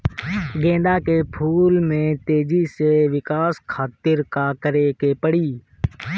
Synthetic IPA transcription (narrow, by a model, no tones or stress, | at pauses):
ɡẽːnd̪aːkeːpʰuːlmẽːt̪eːd͡ʒiːseːʋɪkaːskʰaːt̪ɪɾkaːkəɾeːkeːpəɽiː